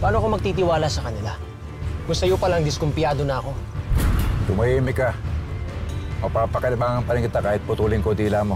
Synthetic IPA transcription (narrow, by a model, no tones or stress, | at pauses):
baʔaːnoɐko̞mɐɡ̚t̪it̪ɪwaːlasɐkɐnɪla | mʊst̪ɐjopɐlaŋd̪ɪskompɪjaːd̪o̞nɐɐko̞ | d̪ʊmɐʔiːmɪka | mɐpaːpɐkɐlɪmaːŋɐŋpɐɾɪŋkɪt̪akaːhɪt̪̚pʊt̪uːlɪŋkod̪iːlamo̞